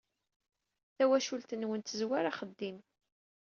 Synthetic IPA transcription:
θæwæʃult̪ənwənt̪əzwaɾaχəd̪ːim

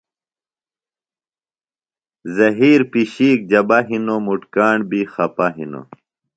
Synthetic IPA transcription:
zɐɦiːɾpiɕiːk̚d͡ʑɐbaɦinomuʈkaːɳbixɐpaɦḭno̰

